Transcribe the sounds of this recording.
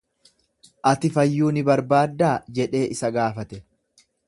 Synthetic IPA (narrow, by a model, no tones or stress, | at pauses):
ʔɐt̪ɪfɐjːuːnɪbɐɾbaːd̪ːaːd͡ʒɛᶑe̞ːʔɪsɐɡaːfɐt̪ɛ